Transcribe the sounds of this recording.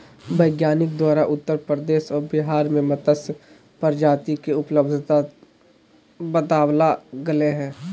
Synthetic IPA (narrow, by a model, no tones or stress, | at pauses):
bɐɪɡjaːnɪk̚d̪waːɾaʔʊt̪ːəɾpɾɾəd̪eːʃɔːɾbɪɦaːɾmẽmɐt̪əs | pəɾd͡ʒaːt̪ikeʊpləbd̪ʱt̪a | bət̪aːwlaɡɐleɦɛ̃ː